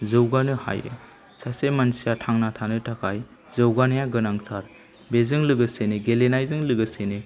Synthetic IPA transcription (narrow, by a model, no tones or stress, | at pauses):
zɯwɡanɯha̰jḛ | sasemansijatʰaŋnatʰanɯtʰakʰaj | zɯwɡanjaɡɯnaŋtʰaɾ | bezɯŋlɯɡɯseneɡelenajzɯŋlɯɡɯsene